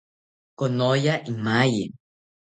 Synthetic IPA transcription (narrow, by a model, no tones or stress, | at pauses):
konojaʔimajḭ